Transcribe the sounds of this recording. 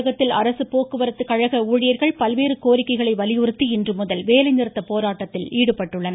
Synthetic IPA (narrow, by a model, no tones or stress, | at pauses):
ɣɐt̪ːɪlɐɾɐsɯpoːkːɯʋɐɾɯt̪ːɯkɐɻɐɣɐuːɻɪjɐɾɣɐɭpɐlʋeːɾɯkoːɾɪkːɐɪɣɐɭɐɪʋɐlɪjɯɾɯt̪ːiɪndrɯmʊðɐlʋeːlɐɪnɪɾɯt̪ːɐpoːɾaːʈːɐt̪ːɪliːɽɯpɐʈːɯɭːɐnɐ